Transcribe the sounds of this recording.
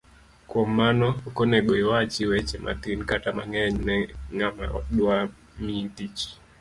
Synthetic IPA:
kɔmanɔkɔnɛɡɔiwat͡ʃiwɛt͡ʃɛmʔa̰t̪inkatama̰ŋɛɲnɛŋama̰ɗwa | mitit͡ʃi̥

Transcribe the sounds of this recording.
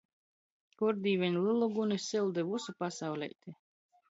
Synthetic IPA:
kuɾd̪ʲiːvʲɛnʲlˠɨlˠuɡunesilˠd̪ɛvusupasawlʲɛ̰jt̪ʲe

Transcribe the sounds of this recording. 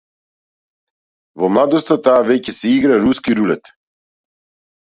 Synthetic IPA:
vɔmlˠad̪ɔst̪at̪aːvɛcɛsɛiɡɾaɾuskiɾulɛt̪

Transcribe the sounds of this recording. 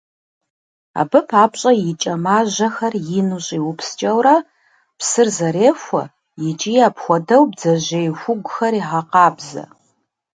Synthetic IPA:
a̰ːbɨpʰaːpɕʼɐjɪt͡ʃʼɐmaːʑɐxɐrjɪnuɕʼiːwʊpʰst͡ʃʼɐwrɐ | psɨrzɐɾeːfʷɐ̰ | jɪt͡ʃʼijaːpxʷɔdɐwbd͡zɐʑejxʷʊɡʷʊxɐɾiːʁɑqɑːbzɐ̰

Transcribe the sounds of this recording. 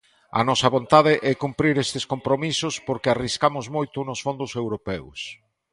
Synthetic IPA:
ɐ̰nɔsɐβ̞ont̪aðɪʔɛkumpɾiɾest̪ɪskompɾomisʊspoɾkɪariskamʊzmojt̪ʊnʊsfond̪ʊsewɾopɛws

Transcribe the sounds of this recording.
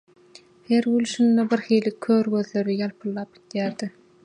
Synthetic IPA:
heɾwylʃynd̪ebiɾxiːlikʰːøːɾɡøðløɾijɑlˠpʰɯlˠːɑːp̚id̪jæːɾd̪i

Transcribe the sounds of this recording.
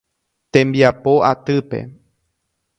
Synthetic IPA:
t̪ẽ̞mbiapoat̪ɨpe̞̰

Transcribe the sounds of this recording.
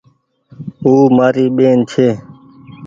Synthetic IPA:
uːmaːɾiːɓeːnt͡ʃʰeː

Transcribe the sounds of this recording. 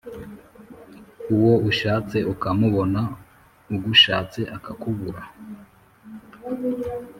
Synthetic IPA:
uwo̞uʃaːt͡se̞ʔukamuβo̞na | uɡuʃaːt͡se̞ʔakakuβuɾa

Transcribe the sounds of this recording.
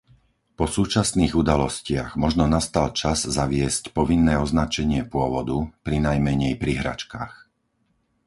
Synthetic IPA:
pɔsuːt͡ʃasniːɣud̪alɔscɪa̰ɣmɔʒnɔnast̪alt͡ʃazzaʋɪɛscpɔʋinːɛːɔznat͡ʃɛɲɪɛpʊɔʋɔd̪upɾinajmɛɲɛjpɾiɦɾa̰t͡ʃka̰ːx

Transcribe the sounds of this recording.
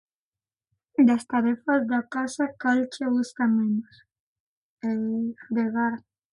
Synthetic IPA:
d̪ast̪aɾefazd̪akasakalt͡ʃeβusk̪amenos | ed̪eɣaɾ

